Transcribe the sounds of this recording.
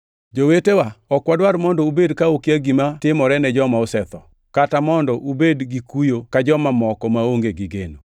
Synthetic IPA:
d͡ʒowetewaɔkwadwaɾmɔndɔubedkaokjaɡimatɪmɔɾɛnɛd͡ʒɔmaosɛt̪ɔ | katamɔndɔʔubedɡikujokad͡ʒɔmamɔkɔmaoŋɡeɡiɡḛno

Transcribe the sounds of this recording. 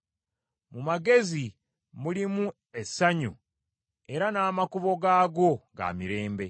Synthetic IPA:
mumaɡe̞zi | mulimu | e̞sːaɲu | e̞ɾanaːmakuβo̞ɡaːɡo̞ɡa̰ːmiɾe̞ːmbe̞

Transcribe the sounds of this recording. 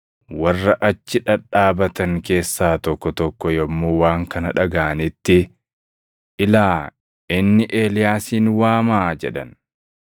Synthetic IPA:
wɐrːɐʔɐt͡ʃːɪᶑɐᶑaːbɐt̪ɐŋke̞ːsːaːt̪ɔkːɔt̪ɔkːɔjɔmːoːwaːŋkɐnɐᶑɐɡaːnɪt̪ːɪ | ʔɪlaː | ɪnːɪʔe̞ːlɪjaːsiːnwaːmaːd͡ʒɛᶑɐ̰n

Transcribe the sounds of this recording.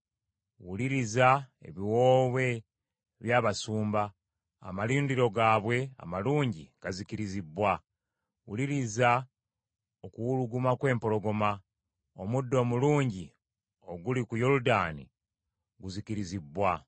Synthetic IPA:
wuliɾizae̞̰βiwoːβe̞ | βjaːβasuːmba | a̰maliːndiɾo̞ɡaːβwe̞a̰maluːɲɟikazikiɾizibwa | wuliɾiza | okuwuluɡumakwe̞ːmpo̞lo̞ɡo̞ma | omudːo̞ːmuluːɲɟi | oɡulikujoludaːnḭ | ɡuzikiɾizibːwa

